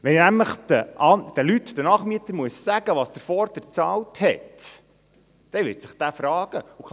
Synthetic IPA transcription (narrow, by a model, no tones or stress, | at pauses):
ʋɛnnæmləχd̪̥əʔɑnd̥̪əlytd̪ənɑːχmiət̪əɾmuəssæɡəʋɑsd̥̪əɾfɔːɾd̥̪ət͡sɑːlthɛ̰t | d̥ɛʋɪtsɪχd̥̪æːfɾɑːɡ̥əuk